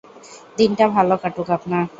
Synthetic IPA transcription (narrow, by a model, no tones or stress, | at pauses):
d̪inʈabʱalokaʈukapnaɾ